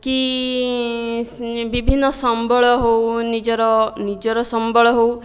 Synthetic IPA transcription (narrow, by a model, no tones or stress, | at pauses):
ki | bibʱinːɔsɔmbʱɔɭɔɦownid͡ʒɔɾɔnid͡ʒɔɾɔsɔmbʱɔɭɔɦow